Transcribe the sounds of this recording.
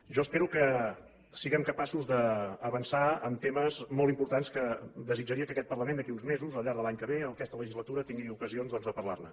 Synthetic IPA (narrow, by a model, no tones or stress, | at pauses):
ʒɔəspeɾukə | siɣɛmkəpasuzðəːβənsaəmt̪eməzmɔlˠt̪impuɾt̪anskəd̪əzid͡ʒəɾiəkəkɛt̪̚pərləmend̪əkiunzmezuzəlˠʎaɾð̞əlaɲkəβeəkɛst̪ələʒizlət̪uɾət̪iŋɡiukəzionzðɔnzðəpərla̰rnə̰